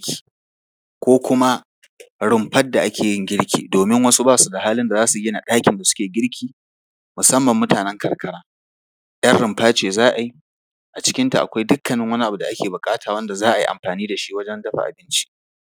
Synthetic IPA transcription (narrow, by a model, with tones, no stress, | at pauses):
kʲi̥ː˨ | kʷoː˦kʷʊ˦ma˦ | ɽɪ˨mɸɐ˦dːa˨ʔa˦kʲeː˨jɪ˦˨ŋɡʲɪ˦ɽkʲʰḭː˨doː˨mɪ˦ŋwɐ˦su˦baː˦su˨da˨ɦaː˦lɪ˦nda˨zaː˦su˨ɡʲɪ˦na˨ɗaː˦kʲɪ˨nda˨sʊ̥˦kʲeː˨ɡʲɪ˦ɽkʲiː˨ | mʊ˨sɐ˦mːɐ˨mːʊ˦taː˨nɛ˦ŋkʰɐ˨ɽkʰɐ˦ɽaː˦ | j̰ɐ˦nɽɪ˨mɸaː˦t͡ʃeː˨zaː˦ʔa˨ji˦ | ʔa˨t͡ʃɪ̥˦kʲɪ˦nta˨ʔa̰˨kʷa˦jdʊ˦kːɐ˨nɪ˦ŋwɐ˦ni˦ʔa˨bu˨da˨ʔa˦kʲʰeː˨bʊ˨kʼaː˦tʰaː˨wɐ˦nda˨zaː˦ʔa˨jḭ˦ʔa̰˨mɸaː˨niː˦da˨ʃi˦wɐ˦d͡ʒɛ˦ndɐ˦ɸa̰˨ʔa̰˨bɪ˦nt͡ʃi̥˦ʔ